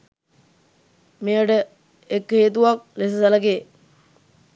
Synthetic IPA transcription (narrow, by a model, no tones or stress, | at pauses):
mejəɖə | ekheːt̪̬uʋak̚les̬əsɐləkeː